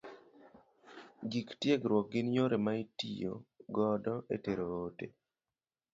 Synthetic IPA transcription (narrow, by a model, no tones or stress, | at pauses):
ɡiktjeɡɾwɔk̚ɡɪnɲoɾemaitḭjo̰ɡɔdɔeteɾoːte